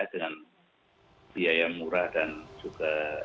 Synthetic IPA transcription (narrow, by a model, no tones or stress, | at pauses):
adəŋan | biajamuɾadansuka